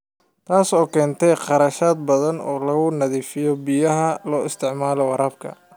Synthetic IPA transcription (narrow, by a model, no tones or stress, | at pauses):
t̪ʰaːsɔːkʰɛːnt̪ʰɛjqɑɾɐʃaːd̪̚bɐðɐnɔ̰ːlɐɣʊnɐðiːfɪjɔbijɐɦɐlɔːɪst̪ʰɪʕmaːlɔwɑɾɐb̚kʰɐ̰